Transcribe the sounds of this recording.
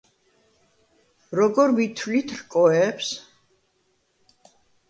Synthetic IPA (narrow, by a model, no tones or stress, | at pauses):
ɾɔɡɔɾvit̪ʰwlit̪ʰɾkʼɔɛps